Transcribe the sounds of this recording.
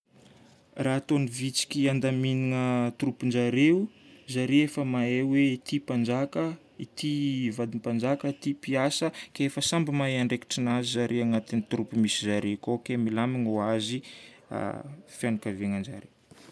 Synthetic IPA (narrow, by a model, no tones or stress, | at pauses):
raːt̪onivit͡si̥kʲiand̪aminiŋət̪uɾupind͡ʒaɾeuzaɾiefəmaeweit̪ipand͡ʒakə | it̪ivad̪impand͡ʒakəit̪ipiasəkefəsambimaeaɳɖ͡ʐeki̥ʈ͡ʂinazizaɾʔeaŋat̪init̪uɾupimisizaɾekokemilamiŋuazi | a̰fijanakaveŋand͡ʒa̰ɾew